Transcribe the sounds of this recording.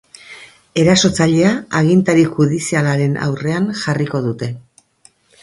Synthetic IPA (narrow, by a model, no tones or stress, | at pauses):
e̞ɾaso̞t͡saʎe̞aːɣint̪aɾixuðisialaɾe̞na̰wre̞anʝariko̞ðut̪e̞